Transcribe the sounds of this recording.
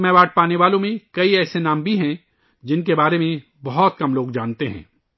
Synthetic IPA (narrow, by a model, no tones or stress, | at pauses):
mɛ̃ːbaːʈ̚ʰpaːneʋaːlõmẽkɐiɛːsenãːmbʱiɦɛ̃ | d͡ʒɪnk̬ebaːɾemẽ | bɐɦɔt̪̚kɐmloːɡd͡ʒaːnt̪eɦɛ̰̃ː